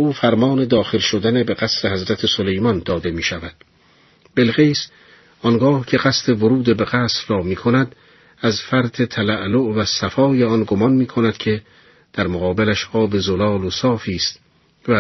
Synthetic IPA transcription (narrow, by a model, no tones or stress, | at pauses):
uːfæɾmɒːne̞d̪ɒːxe̞lʃod̪ænebeɣæsɾehæzɾæt̪ʰe̞solejmɒnd̪ɒːd̪e̞miːʃævæd̪̥ | b̥e̞lɣejs | ʔɒnɡɒːhcʰe̞ɣæst̪ʰe̞voɾuːd̪ebe̞ɣæːsɾrɒːmiːkʰonæd̪ | æzfæɾd̪ʰet̪ʰælæʔloʔvæsæfɒːjeɒnɡomɒnmiːkʰonæd̪̥cʰe̞ | d̪̥æɾmoɣɒːbelæʃɒːbe̞zolɒːlosɒːfiːst̪ | væ